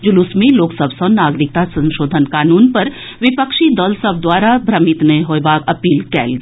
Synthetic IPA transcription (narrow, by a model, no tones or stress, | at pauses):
d͡ʒʊlʊsmẽloːksəbʱsənaːɡɾɪk̚t̪asɐ̃nʃoːd̪ʱənkaːnuːnpɐɾ | ʋɪpəkʃid̪ɔlsəbʱd̪waːɾabʱɾɐmɪt̪neɦoːjbaːkɐpiːlkɛ̰ːlɡi